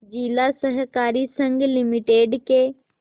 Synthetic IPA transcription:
d͡ʒiːlasəɦkaːɾisə̃ŋɡlɪmɪʈeːɖke

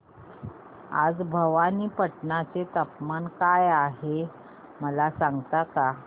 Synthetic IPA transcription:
a̰d͡zbʱəʋaniːpəʈnat͡set̪əpmankajaɦe | məlasaŋɡt̪aka

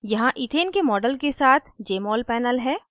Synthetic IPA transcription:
jɐɦãʔɪt̪ʰeːnkemɔːɖəlkesaːt̪ʰd͡ʒeːmɔːlpɛːnəlɦɛː

